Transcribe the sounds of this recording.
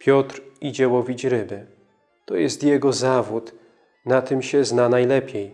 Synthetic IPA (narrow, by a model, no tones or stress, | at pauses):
pʲjɔt̪ɾid͡ʑɛwɔvʲit͡ɕɾɘbɘ | t̪ɔjɛst̪jɛɡɔzavut̪ | nat̪ɘmɕɛznanajlɛpʲjej